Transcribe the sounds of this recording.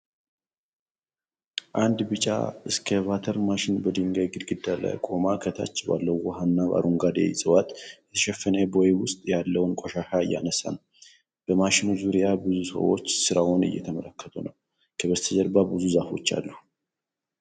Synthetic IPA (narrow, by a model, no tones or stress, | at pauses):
ʔand̪bɨt͡ʃʼa̰ɨskʰəβat̪ʰəɾmaʃɪnbəd̪ɨŋɡajɡɨd̪ɡɨd̪ːala̰jkʼo̞makʰət̪ʰa̰t͡ʃːba̰lːəwːɔɦanːaβa̰ɾʔuŋɡad̪ḛjsʼɨwat̪ʼjɛt̪ʰə̥ʃɛfːənɛbojwʊst̪ʼjalːəwʊnkʼoʃaʃaɨjːa̰nəsa̰nw | b̥əmaʃɪnuzuɾijabɨzusə̰wo̞̰t͡ʃːsɨɾawʊnɨ̰jːɛ̰t̪ʰəmələkːət̪ʼʰunəw | kʰəβəst̪ʰəd͡ʒəɾbabɨzuzafo̞̰t͡ʃːa̰lːu